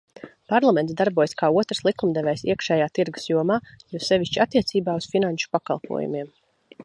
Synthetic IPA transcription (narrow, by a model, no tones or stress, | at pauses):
paɾlˠamɛnd̪aɾbuɔjskaːuɔt̪ɾslˠikumd̪ɛvɛjsḭɛkʃɛːjaːt̪iɾɡu̥sjuɔmaːjusɛʋʲiʃt͡ʃiat̪ːiɛt̪siːbaːusfinanʃu̥paka̰lˠpʰṵɔ̰jṵmiɛm